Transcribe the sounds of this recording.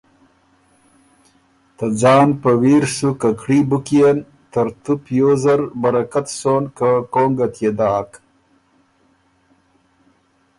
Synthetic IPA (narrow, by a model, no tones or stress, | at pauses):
t̪ad͡ʒɑːnpəwiːɾsukakɽibukijen | t̪ɐɾt̪upjozaɾbaɾakat̪soːnkakoːŋɡat̪jed̪ɑːk